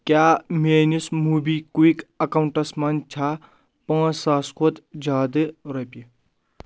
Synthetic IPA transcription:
kʲjaːmeːnismubikuikɐkɐwuɳʈɐsmant͡ʃʰaː | pɐ̃ːsaːskʰot̪d͡ʒaːd̪ɨɾɐpʲi

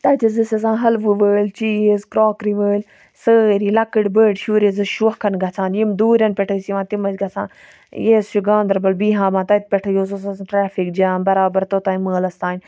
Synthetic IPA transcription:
t̪ɐt̪izisɐs̬ãːɦɐlʋɨʋəːlʲt͡ʃiːzkɾoːkɾiʋəːlʲ | səːɾiːlɐkɨɽʲbəːɖʃuːɾezɨʃuɐkʰːɐnɡɐt͡sʰãːnjimd̪uːɾʲɐnpʲɛʈʰəsiʋãːt̪imɐzʲɡɐt͡sʰã̰ːn | jeːst͡ʃuɡãːnd̪ɐɾbɐlbiːɦãːmãːt̪ɐt̪̚ʲpʲɛʈʰɐjoːsosɐsʈɾaːfik̚d͡ʒaːnbɐɾaːbɐɾt̪ot̪aːiməːlɐst̪aːnʲ

